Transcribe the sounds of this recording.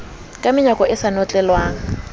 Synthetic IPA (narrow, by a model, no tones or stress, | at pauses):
kʼamɪɲakʼɔɪsanɔt͡ɬʼɛlwaːŋ̩